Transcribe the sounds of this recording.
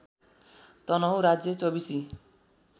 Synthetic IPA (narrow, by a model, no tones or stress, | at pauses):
t̪ʌnʌɦuɾad͡zet͡sobisi